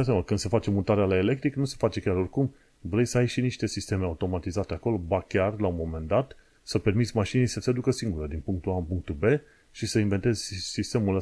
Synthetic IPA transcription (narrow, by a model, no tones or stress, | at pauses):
asaməkɨnd̪̥səfat͡ʃe̞mut̪aɾealaele̞k̚t̪ɾiknuse̞fat͡ʃe̞kʲaɾo̞rkum | vɾe̞jsəajʃiniʃt̪e̞sist̪e̞meaut̪o̞mat̪izat̪e̞ako̞lo̞bakʲarlaunmo̞me̞nd̪at̪ | səpe̞rmit̪sʲmaʃinijsəsead̪ukəsiŋɡuɾəd̪inpuŋk̚t̪uanpuŋk̚t̪ube̞ | ʃisəinvent̪e̞zʲsist̪e̞mulə